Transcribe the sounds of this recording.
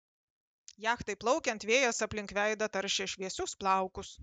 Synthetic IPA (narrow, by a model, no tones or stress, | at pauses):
jæːxt̪ɐɪplˠɒʊkʲɛnt̪ʋʲeːjɛsɐpʲlʲɪŋkʋʲæɪd̪ɐt̪ɐɾʲʃʲɛʃʲʋʲiɛsʲʊsplˠɑˑʊkʊs